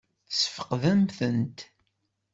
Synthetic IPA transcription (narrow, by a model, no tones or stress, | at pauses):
sə̥fə̥qðəmθənt̪